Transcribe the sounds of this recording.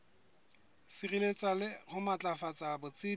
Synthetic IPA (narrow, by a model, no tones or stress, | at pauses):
sirilet͡sʼalɪhʊmat͡ɬʼafat͡sʼabʊt͡sʼɪ